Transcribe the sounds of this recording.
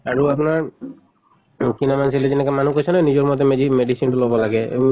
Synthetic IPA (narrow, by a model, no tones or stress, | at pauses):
aɹuap̬naɹ | kinamansiled͡ʒɛnɛkamanukojsʰɔnanizɔɹmɔt̪ɛmeimedisintulɔbɔlaɡɛḛm